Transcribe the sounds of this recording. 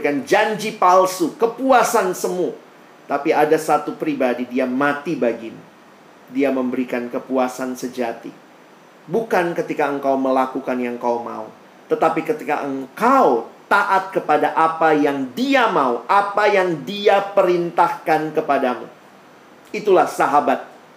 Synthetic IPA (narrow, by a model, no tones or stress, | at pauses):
kand͡ʒaɲd͡ʒipalsukəpuasansəmu | t̪apiadasat̪upɾibadidiamat̪ibaɡimṵ | diaməmbəɾikankəpuasansəd͡ʒat̪ḭ | bukankət̪ikaəŋkawməlakukanjaŋkawma̰ṵ | t̪ət̪apikət̪ika̰ʔəŋkaut̪aʔat̪̚kəpadaʔapajaŋdiamauʔapajaŋdiapəɾint̪ahkankəpadamṵ | it̪ulahsaɦabat̪̚